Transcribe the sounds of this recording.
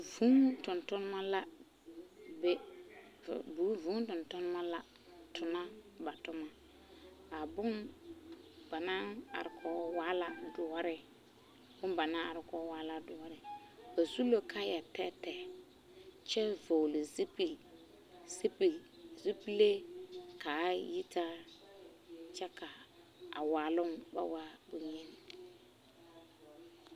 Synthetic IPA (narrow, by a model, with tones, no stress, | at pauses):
vu˦ŋtʊ˨ntʊ˦n˦ma˦la˦ | be˦˨ | bu˨˦vũ˦tʊ˨ntʊ˦n˦ma˦la˦ | tʰʊ˨na˦ba˨tʊ˦ma˦ | a˨bʊ˦n | b̥a˨na˦a̰˨ɾɪ˨kʰɔː˦waː˦la˦dʊ˨wa˦ɾɪ˦ | bʊ˦nba˨nã˦a˨ɾɪ˨kɔ˦waː˦la˦dʊ˨wa˦ɾɪ˨ba˨su˦lo˦kʰa˦ja˨tɛ˦tɛ˨ | t͡ʃɛ˦vo˨li˨zi˦pi˨ | si˦pi˨zi˦pi˦le˦ka˨˦ji˦ta˦ | t͡ʃɛ˦ka˨ | a̰˨waː˨lʊ˦ŋba̰˦wa˦bʊ˨ɲɪ˦n˨